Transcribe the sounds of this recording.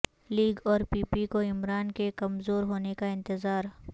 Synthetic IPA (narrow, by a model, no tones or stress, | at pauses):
liːɡɔːɾpiːpikoɪmɾaːnkekɐmzoːɾɦoːnekaɪ̃nt̪ɪzaːɾ